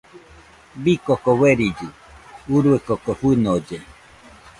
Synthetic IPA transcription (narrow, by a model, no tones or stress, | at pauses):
bikokoweɾid͡ʒɯ | uɾuekokoɸɨnod͡ʒe